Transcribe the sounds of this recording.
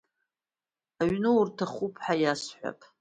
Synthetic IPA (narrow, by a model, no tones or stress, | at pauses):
aɥnɨurtʰaχupʰħajasħʷa̰pʼ